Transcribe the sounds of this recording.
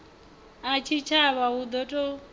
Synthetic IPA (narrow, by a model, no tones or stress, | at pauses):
at͡ʃʰit͡ʃʰaβaɦud̪ɔtʼɔ